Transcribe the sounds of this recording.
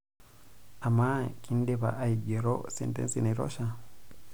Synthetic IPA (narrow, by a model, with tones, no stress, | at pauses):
a˨ma˦ki˦n˦de˦βa̰˨ʔa˦iɟe˨ɾo̰˦sɛ̰˨ntɛ̰nsi˨na˨iɾɔ̰˦ʃa˦